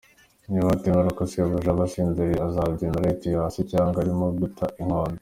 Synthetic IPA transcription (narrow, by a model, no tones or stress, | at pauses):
ɲumatimaɾakosioβuʒaβasiːndeɾiazabɟinaɾaitiasicaːŋɡaɾimoɡutʰaʔiŋ̥hoːndo